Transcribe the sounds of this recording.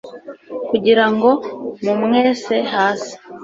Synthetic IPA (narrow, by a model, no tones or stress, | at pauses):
kuɟiɾaŋɡo̞mumŋe̞ːse̞haːsi̥